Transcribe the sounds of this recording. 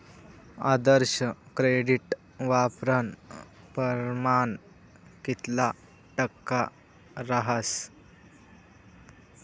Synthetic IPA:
a̰d̪əɾɕəkɾeɖiʈ | ʋapɾən | pəɾman | kit̪la | ʈəkːa | ɾaɦəs

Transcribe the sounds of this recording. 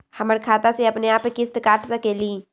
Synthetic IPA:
həməɾkʰaːt̪aseɐpneaːpekɪst̪kaːʈʰsəkeːliː

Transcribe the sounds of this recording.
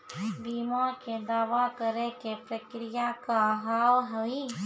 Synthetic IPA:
biːmaked̪aːʋakəɾekepɾəkɾɪjakaɦaːwɦəʋi

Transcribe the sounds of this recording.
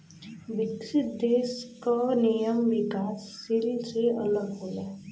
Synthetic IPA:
ʋɪkʃɪt̪̚d̪eːskanijəmʋɪkaːsːɪlseɐ̰ləɡɦoːlaː

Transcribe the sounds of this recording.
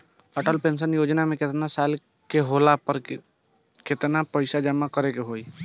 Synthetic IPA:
əʈəlpẽnsənjoːd͡ʒnamẽket̪nasal | keɦolapəɾ | ket̪napəɪsad͡ʒəmakəɾekeɦoi

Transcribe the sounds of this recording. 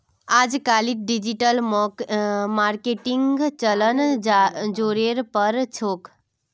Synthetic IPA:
ad͡ʒkaliɖid͡ʒiʈəlmɔmaɾkeʈiŋɡt͡ʃələn | d͡ʒoɾeɾpəɾt͡ʃʰok

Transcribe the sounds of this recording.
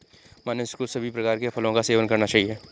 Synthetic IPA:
maːneskosɐbʱipɾɐkaːɾkepʰəlõkaseːʋənkɐɾnat͡ʃaːɦieː

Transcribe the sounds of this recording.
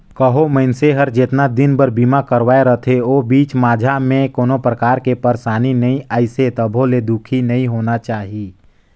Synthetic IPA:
kəɦoməɪnseɦəɾd͡ʒet̪nad̪ɪnbəɾbiːmakəɾʋaːeɾət̪ʰeoːbiːt͡ʃmaːd͡ʒʱamẽkoːnopɾəkaːɾkepəɾsaːninɐĩaːɪset̪əbʱoled̪ukʰinəĩɦoːnat͡ʃaːɦi

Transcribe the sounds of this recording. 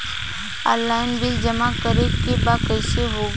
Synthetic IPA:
a̰laːɪnbɪld͡ʒəmakəɾekebakəɪʃeɦoː

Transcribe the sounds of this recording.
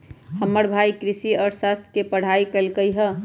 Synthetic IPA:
həmːəɽbʱaikɾɪsiɔːɾsast̪ʰkepəɽ̤aikəlkəjɦə

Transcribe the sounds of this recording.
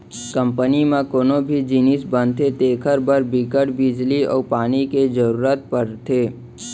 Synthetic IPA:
kə̃mpənimẽkoːnobʱid͡ʒinisbə̃nt̪ʰet̪eːkʰəɾbəɾbɪkəʈbɪd͡ʒliɔ̰ːpaːniked͡ʒəɾuːɾət̪̚pəɾt̪ʰeː

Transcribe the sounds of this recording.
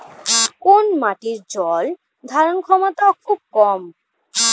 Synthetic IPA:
konmaʈiɾd͡ʑɔl | d̪ʱaɾonkʰɔmot̪aokʰub̚kɔm

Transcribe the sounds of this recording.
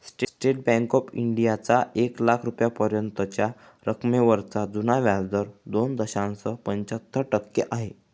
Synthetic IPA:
sʈsʈeʈ̚bɛ̃ŋkɔpiɳɖijat͡saeklakʰɾupjapəɾjənt̪ət͡ɕja | ɾəkʰmeʋəɾt͡sad͡zunaʋjad͡zd̪əɾd̪ond̪əɕãnsəpəɲt͡ɕat̪ʰːəʈəkːeʔaɦe

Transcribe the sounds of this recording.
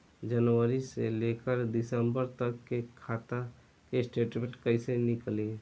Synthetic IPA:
d͡ʒənwəɾiseleːkəɾd̪ɪsəmbəɾt̪əkːekʰaːt̪a | kesʈeːʈbẽʈkəisenɪkleː

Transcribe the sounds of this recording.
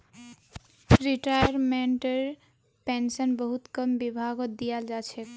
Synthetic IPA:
ɾiʈajəɾmeɳʈəɾ | pensənbəɦut̪kəmbibʱaɡod̪ijald͡ʒat͡ʃʰɛ

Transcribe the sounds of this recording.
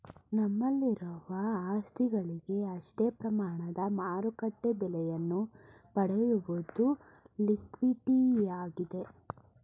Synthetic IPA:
nɐmːɐlːiɾɐʋɐaːst̪ʰiɡɐɭiɡe̞ɐʂʈeːpɾɐmaːɳɐd̪ɐmaːɾukɐʈːebɛlɛjɐnːu | pɐɽejuʋod̪u | likʋiʈijaːɡid̪e̞

